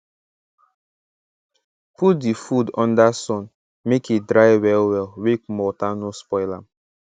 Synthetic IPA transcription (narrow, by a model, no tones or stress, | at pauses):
put̚difudɔ̃n̩dasɔn | mekedɾaɪwɛlwɛlwek̚mɔtanʊspɔɪlam̩